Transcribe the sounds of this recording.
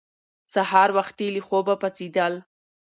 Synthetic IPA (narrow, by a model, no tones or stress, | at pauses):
sahɑɾwaxt̪ilixobapat͡sid̪al